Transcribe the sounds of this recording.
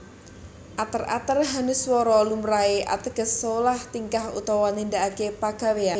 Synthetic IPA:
ʔat̪əra̰t̪ərɦanɪswɔɾɔlumɾaeʔa̰t̪əɡ̥ə̤solaht̪iŋkahṵt̪ɔwɔnind̪aʔakepaɡ̥a̤wea

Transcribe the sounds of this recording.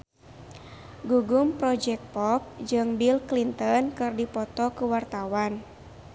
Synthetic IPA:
ɡuɡumpɾɔd͡ʒɛk̚pɔp̚d͡ʒɨŋbilklint̪ɔnkɨrdipɔt̪ɔkuwart̪awan

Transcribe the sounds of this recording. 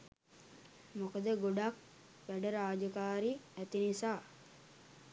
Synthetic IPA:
mukəd̪əɡoɖak̚ | ʋæɖəɾaːd͡ʒəkaːɾiæt̪inisaː

